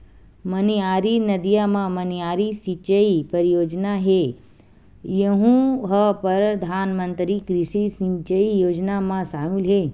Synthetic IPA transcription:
məniaːɾinəd̪ijamãməniaːɾisit͡ʃəipəɾijoːd͡ʒnaɦe | jəɦũɦəpəɾd̪ʱaːnmənt̪ɾikɾiʂisĩɲt͡ʃəijoːd͡ʒnamãʃaːmilɦe

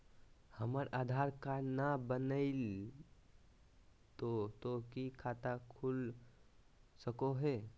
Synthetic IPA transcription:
həməɾʔaːd̪ʱaɾkaɾnabənəɪl | t̪ot̪okikʰat̪akʰul | səkoɦɛː

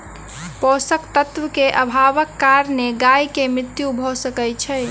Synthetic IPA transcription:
pɔsəkt̪ət̪ʋəkeʔəbʱaʋəkːaɾneɡajkemɾɪt̪jubʱɔsəkɛjt͡ʃʰɛ

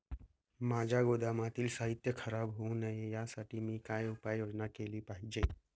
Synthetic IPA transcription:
mãːd͡ʒaɡoːd̪amãt̪ilsaːɦɪt̪jəkʰəɾaːbɦõnəjejasəʈimĩkaːeʊpaːjjoːd͡ʒnakeːlipaːɦid͡ʒe

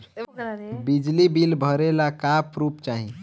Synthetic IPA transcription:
bid͡ʒlibilbʱəɾelakapʰɾupt͡ʃaɦi

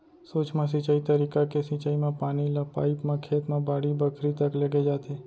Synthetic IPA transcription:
soːt͡ʃmẽs̬ĩt͡ʃaːit̪əɾiːkakesɪ̃t͡ʃaːimẽpaːnilapaːipmẽkʰeːt̪mẽbaːɽibəkʰɾit̪ɐkləɡed͡ʒaːt̪eː

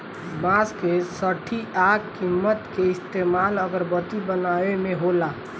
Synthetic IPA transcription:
bãskesəʈʰiʔaːɡkimːət̪keɪst̪eːmaːləɡəɾbət̪ibənaːwemẽɦolaː

